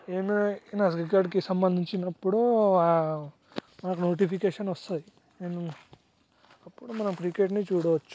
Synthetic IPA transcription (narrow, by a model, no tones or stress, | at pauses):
eːminɐsɡikaːɖkisɐmbɐnd̪ʱiɲt͡ʃinɐpːuɽua | mɐnɐk̬unoːʈ̬ipʰikeːʂɐnɐst̪ɐd̪i | neːnu | ɐpːuɽumɐnɐmkɾikeːʈnit͡ʃuːɽɐʋɐt͡ʃːu̥